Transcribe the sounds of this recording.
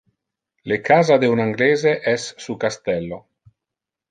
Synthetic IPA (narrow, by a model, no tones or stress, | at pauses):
lekaːzad̪eunaŋɡleːzeʔɛsːukast̪ɛlːo